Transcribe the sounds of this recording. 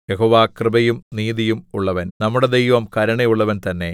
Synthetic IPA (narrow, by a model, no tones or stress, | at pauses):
jeɦoːʋaːkrɨbɐjumniːðijumuɭːɐʋɐnnɐmːuɽed̪ejʋɐmkɐɾɐɳejuɭːɐʋɐnt̪ɐnːe̞